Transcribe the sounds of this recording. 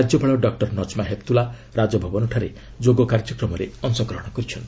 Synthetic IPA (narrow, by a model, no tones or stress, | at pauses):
ad͡ʒɔbʱaɭɔɖɔk̚ʈɔɾnɔt͡ʃmaɦep̚t̪ula | ɾad͡ʒɔbʱɔbɔnɔʈʰaɾe | d͡ʒoɡɔkaɾd͡ʒɔkɾɔmɔɾeɔŋsɔɡɾɔɦɔɽ̃ɔkɔɾit͡ʃʰɔnt̪i